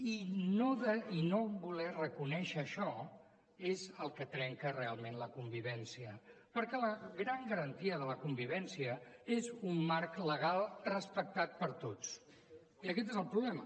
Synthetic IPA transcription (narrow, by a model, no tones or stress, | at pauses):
inoðəinobulɛrəkunɛʃəːʃɔ | ezəlˠkət̪ɾɛŋkərealˠmenləkumbiβɛnsiəpəɾkɛləɣɾaŋɡəɾənt̪iəðələkumbiβɛnsiəezumːaɾkləɣ̞alˠrəspək̚t̪at̪̚pəɾt̪ot͡s | iəkɛt̪ezəlˠpɾuβlɛmə